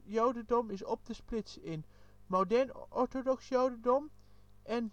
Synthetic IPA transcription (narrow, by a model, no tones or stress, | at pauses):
jowdəndɔmɪsɔp̚dəsplɪtsɪn | mowdɛɹnɔɹtodɔksjowdədɔm | ʔɛn